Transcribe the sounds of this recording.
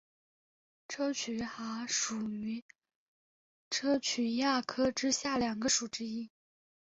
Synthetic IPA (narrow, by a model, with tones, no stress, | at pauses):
ʈ͡ʂʰɤ˥t͡ɕʰy˧˥xa˧˥ʂu˨˩y˧˥ | ʈ͡ʂʰɤ˥t͡ɕʰy˧˥ja˥˩kʰɤ˥ʈ͡ʂɻ̩˥ɕja˥˩ljɑ˨˩ŋɡə˦ʂu˨˩ʈ͡ʂɻ̩˥i˥